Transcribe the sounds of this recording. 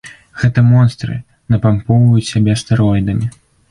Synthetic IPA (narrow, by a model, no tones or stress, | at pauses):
ɣɛt̪ɐmɔnst̪ɾɨ̰ | nɐpampɔwvɐjut͡sʲsʲabʲɛst̪ɛɾɔjd̪ɐmʲi